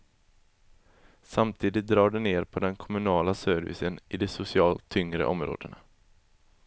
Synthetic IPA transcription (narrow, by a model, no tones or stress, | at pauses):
samt̪ʰiːd̪ɪt̪̚d̪ɾɑːɖɛneːɾpʰɔd̪ɛnkʰɔmɵnɑːlasœɾvɪ̰sənɪd̪ɛsʊsɪɑːlt̪ʰːʏŋɾə̰ʔɔmɾo̰ːd̪əna